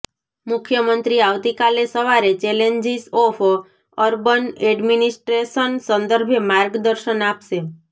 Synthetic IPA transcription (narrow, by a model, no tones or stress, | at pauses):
mʊkʰjəmənt̪ɾiaʋt̪ikalesəʋaɾet͡ʃɛleɲd͡ʒisofʰ | əɾbəneɖminisʈɾesənsə̃nd̪əɾbʱemaɾɡd̪əɾʃənapʃe